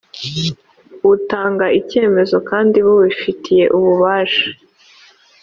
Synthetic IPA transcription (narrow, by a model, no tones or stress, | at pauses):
utaːŋɡaice̞ːme̞zo̞kaːndiβuβifitʰije̞ʔuβuβaːʃḁ